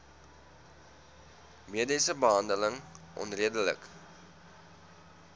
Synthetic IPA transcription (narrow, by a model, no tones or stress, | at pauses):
miədəsəbəɦɐndələŋʔɔ̰nriədələ̰k